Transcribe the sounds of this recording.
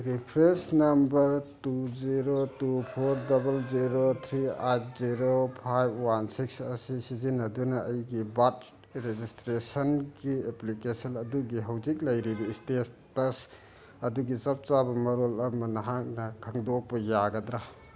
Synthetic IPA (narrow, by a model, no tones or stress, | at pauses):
ɾipʰɾesnɐmbɐɾtuziɾotupʰoɾdɐbɐlziɾot̪ʰɾiajt̚ʰziɾopʰajb̚ʰwansiksɐsisizinɐdunɐɐjɡibat̚ | ɾed͡ʒistɾesɐnɡieplikesɐnɐduɡiɦɐwzik̬̚lɐjɾibɐistestɐs | ɐduɡit͡ʃɐp̚t͡ʃabɐmɐɾolɐmɐnɐɦak̚nɐkʰaŋdok̚pɐjaɡɐd̪ɾa